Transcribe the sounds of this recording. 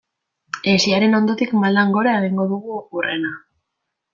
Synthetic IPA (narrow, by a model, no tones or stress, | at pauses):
esiaɾe̞no̞nd̪o̞t̪ikmald̪aŋɡo̞ɾaeɣiŋɡo̞ðuɣuokure̞na